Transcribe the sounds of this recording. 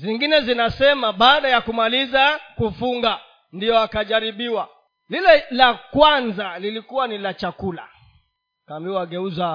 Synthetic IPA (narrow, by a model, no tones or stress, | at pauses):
ziŋɡinɛzinasɛmaɓaːɗajakumalizakufuŋɡa | ndijɔakaʄaɾiɓiwa | lilɛlakwanzalilikuwanilat͡ʃakula̰ | kaːmbiwaɡɛuza